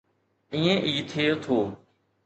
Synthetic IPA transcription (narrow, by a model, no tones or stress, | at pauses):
ĩːẽʔiːt̪ʰeːt̪ʰoː